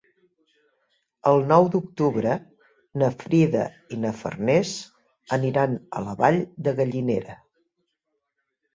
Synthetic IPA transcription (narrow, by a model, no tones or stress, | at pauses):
əlˠnɔwd̪uk̚t̪uβɾə | nəfɾiðə̰ | inəfə̰rnɛs | əniɾanə̰ləβaʎd̪əɣəʎineɾə